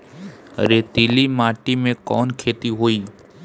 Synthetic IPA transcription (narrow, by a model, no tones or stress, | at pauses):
ə̰ɾeːt̪ilimaːʈimẽkɔːnkʰeːt̪iɦoːiː